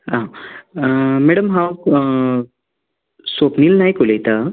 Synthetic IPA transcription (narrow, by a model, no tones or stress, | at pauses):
ɦã | meɽəmɦaw | sopniːlnaɦjkolejt̪a